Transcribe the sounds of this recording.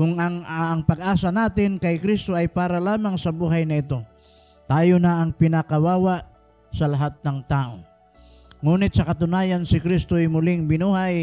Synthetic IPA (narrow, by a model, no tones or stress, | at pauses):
kʊŋɐŋːŋpɐɡ̚ʔaːsɐnaːt̪ɪnkɐjkɾist̪o̞ʔɐjpaːɾɐlaːmaŋsɐbuːɦajnɐɪt̪o̞ | t̪aːjonɐʔːŋpɪnakɐwaːwaʔ | sɐlɐɦat̪̚nɐŋt̪aːʔo̞ | ŋuːnɪt̪̚sɐkɐt̪ʊnaːjɐnsɪkɾist̪ojmʊlɪŋbɪnuːhaj